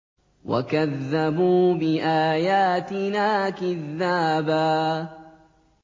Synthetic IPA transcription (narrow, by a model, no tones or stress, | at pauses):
wa̰kaðːabuːbɪʔaːjaːt̪ɪnaːkɪðːaːbaː